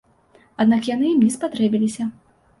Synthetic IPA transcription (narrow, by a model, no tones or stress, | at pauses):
ad̪nakjanɨimʲispat̪ɾɛbʲilʲisʲɐ